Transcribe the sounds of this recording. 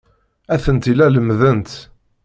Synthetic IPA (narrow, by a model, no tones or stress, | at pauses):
æθənt̪ilæləmːðənt̪